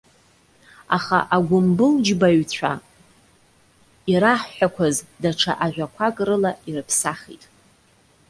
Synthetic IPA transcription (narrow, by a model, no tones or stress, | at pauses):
aχa̰ʔaɡʷʊmbɨld͡ʒbaɥt͡ɕʷʰa̰ | iɾaħːʷᶣakʷʰazdaʈ͡ʂʰa̰ʔaʒᶣʷakʷʰakʼrɨlairɨpʰsaχḭtʼ